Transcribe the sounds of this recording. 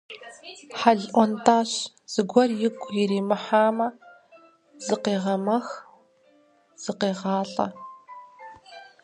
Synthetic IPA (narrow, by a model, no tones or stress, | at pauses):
ħaɮʔʷɔntʰaːɕ | z̥ɨɡʷɔrjɪkʷʼjɪɾiːmɨħaːmɐ | z̥ɨqeːʁɐmɐx | z̥ɨqeːʁɑːɬʼɐ̰